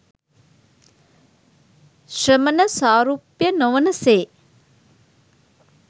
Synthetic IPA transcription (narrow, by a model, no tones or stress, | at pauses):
ʃrəmənəsaːɾuːpjənoʋənəseː